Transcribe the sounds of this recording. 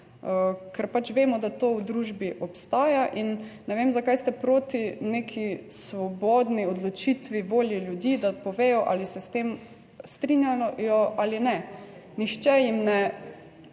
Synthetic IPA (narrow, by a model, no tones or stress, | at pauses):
əkɛɾpat͡ʃʋeːmɔd̪at̪oːwd̪ɾuːʒbiʔɔpst̪aːjaʔinː | ɛʋeːmzakajst̪ɛpɾoːt̪ineːkʰisʋɔbɔːd̪niɔd̪lɔt͡ʃit̪ʋiʋoːljiljud̪iːd̪apɔʋeːjɔʔa̰lisɛst̪eːm | st̪ɾinjaɔjɔʔalinɛnixt͡ʃɛjimnɛ